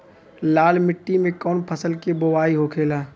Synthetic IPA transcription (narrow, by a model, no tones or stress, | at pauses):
laːlmɪʈːimẽkɔːnpʰəsəlkebowaːiɦokʰeːlaː